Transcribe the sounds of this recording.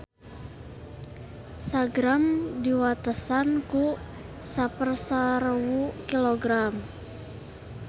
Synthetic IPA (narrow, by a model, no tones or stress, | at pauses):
saɡɾamdiwat̪əsanku | sapərsaɾəwukiloɡɾam